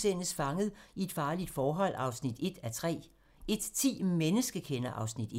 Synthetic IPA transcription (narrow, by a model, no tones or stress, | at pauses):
sen̰əsfɑ̈ŋəð̩ˠie̝d̥fɑ̈ːlid̥fɒːɦɒ̽l̰ɑ̈ʊsnid̥e̝d̥æt͡sʰʁɛ̰ː | e̝d̥t͡sʰḭːmenəsɡ̥əkʰenɐʔɑ̈ʊsnid̥